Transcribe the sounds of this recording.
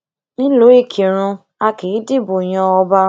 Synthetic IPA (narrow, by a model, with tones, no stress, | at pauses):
nĩ˦lo˨˦e˦˨kʰi˨ɾ̃ũ˧ | a˧ki˨i˨˦de˦˨bo˨j̃ɔ̃˧ɔ˧ba˦